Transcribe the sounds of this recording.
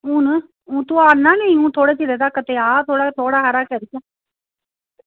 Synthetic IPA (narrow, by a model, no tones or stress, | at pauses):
ũːn | ũːt̪uːaːnãːneĩũːt̪ʰoːɽeːt͡ʃiɾeːd̪aːkət̪eːaːt̪ʰoːɽaːt̪ʰoːɽaːɦaɾaːkɛːɾit͡ʃaː